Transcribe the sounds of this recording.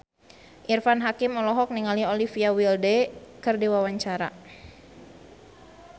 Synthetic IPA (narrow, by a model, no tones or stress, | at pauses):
ʔirfanɦakɪmɔlɔɦɔk̚niŋaliolifiawildɛkərdewawaɲt͡ʃaɾa̰